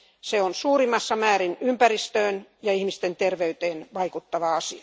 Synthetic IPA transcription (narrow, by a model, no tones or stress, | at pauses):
seonsuːrimːˑɑsːɑmæːɾinympærist̪øːnjɑihmist̪ent̪erʋeyt̪eːnʋɑikut̪ːɑʋɑɑsiɑ̥